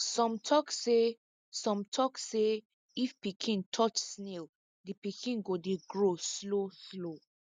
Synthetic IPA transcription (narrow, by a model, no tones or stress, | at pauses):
sɔ̃mtʰɔkse | sɔ̃mtʰɔkse | ifpikʰĩntʰɔt͡ʃsnel | dipikʰĩnɡodeɡɹosloslo